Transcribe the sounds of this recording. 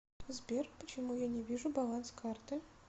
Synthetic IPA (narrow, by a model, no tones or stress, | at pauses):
zbʲerpət͡ɕɪmujanʲɛvʲiʐubalˠanskart̪ɨ